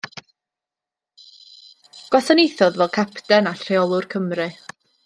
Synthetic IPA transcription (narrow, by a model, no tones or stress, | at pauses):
ɡ̥ɔθənejθɔðvɛlˠkʰapʰtɛnaɬreɔlˠʊrkʰəmrɨ